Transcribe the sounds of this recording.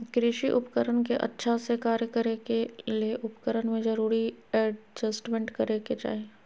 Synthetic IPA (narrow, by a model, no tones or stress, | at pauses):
kɾɪʃiʔʊpkəɾənkeʔɐ̰tːʃʰasekaːɾjəkəɾekelieʔʊpkəɾənmẽd͡ʒɐɾuːɾiɛd͡ʒɐsʈmẽɳʈkɐɾeket͡ʃa̰ːɦe